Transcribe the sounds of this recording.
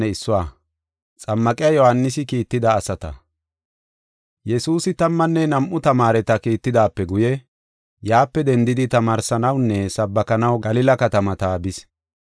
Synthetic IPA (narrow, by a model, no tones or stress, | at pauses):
ɛɪsːʊwaː | t͡sʼɐmːɐkʼɪjɐjɔhɐnːɪs̬ɪkiːt̪ːɪd̪ɐːsɐt̪ɐ̰ | jɛsuːsɪt̪ɐmːɐnːɛnɐmʔʊt̪ɐmaːɾɛt̪ɐkiːt̪ːɪd̪aːpːɛɡʊjɛ | jaːpːɛd̪ɛnd̪ɪd̪ɪt̪ɐmaːɾsɐnɐwnːɛsɐbːɐkɐnɐwɡɐlɪlɐkɐt̪ɐmɐt̪abɪs